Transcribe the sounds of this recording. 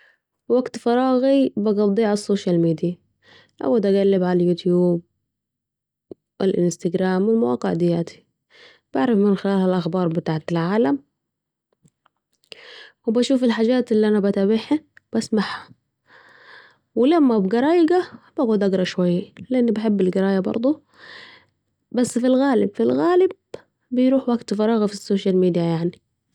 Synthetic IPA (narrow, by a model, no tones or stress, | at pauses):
waɡt̪fɑɾˤɑːɣibɑɡɑd̪ˤːiːʕasːoːʃjalmiːd̪ija | ʔa̰wad̪ʔaɡalːɪbʕalajuːt̪juːb̚ | ʔɪ̰lʔɪnst̪aɡɾaːmwɪlmawɑ̰ːqɪʕd̪ɪja̰ːt̪ʰi̥ | b̥aʕɾˤɑfmɪnxɪlaːlhalʔaxbɑːɾˤbɪt̪aːʕɪt̪ɪlʕaːlam | wbaʃuːfɪlħaːd͡ʒaːt̪ɪlːiʔanabat̪abɪħib̥asmaħha | wɪlamːabɡɑɾˤɑːjɪɡab̥aɣuːd̪ʔaɡɾˤɑʃwajːalɪʔanːibaħɪbːɪlɡɪɾˤɑːjabɑ̰ɾˤd̪ˤu | basːfilɣaːlɪbfilɣaːlɪb̚ː | ɪjɾuːħwaɡt̪fɑɾˤɑːɣafisːoːʃalmiːd̪jajaʕni